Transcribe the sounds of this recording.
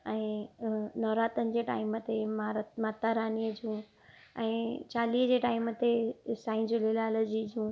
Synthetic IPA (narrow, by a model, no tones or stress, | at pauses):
ɛ̃ːnɔːɾaːt̪ənɪ̆d͡ʑeːʈa̰ːimət̪emamaːt̪aɾaːniːəd͡ʑũː | ɛ̃ːt͡ɕaːliːd͡ʑeːʈaːimət̪esaːĩnzjolɪlaːləd͡ʑid͡ʑũː